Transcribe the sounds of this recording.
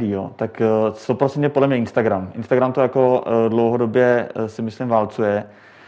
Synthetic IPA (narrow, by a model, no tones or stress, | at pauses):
dɪjot̪akst̪opɾosɛ̃nɛpodlɛmɲɛɪnst̪aɡɾamʔɪnst̪aɡɾamt̪ojakodlowɦodobjɛsɪmɪslɪmvaːlt͡sujɛ